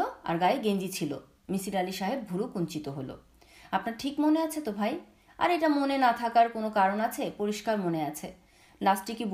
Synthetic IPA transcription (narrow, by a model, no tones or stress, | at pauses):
oa̰ɾɡaeɡend͡ʑit͡ɕʰilo̰ | misiɾaliʃaɦeb̚bʱuɾukunt͡ɕit̪oɦolo̰ | apnaɾʈʰikmoneat͡ɕʰet̪obʱaj | a̰ɾeʈamonenat̪ʰakaɾkonokaɾonat͡ɕʰepoɾiʃkaɾmoneat͡ɕʰe | lasʈikib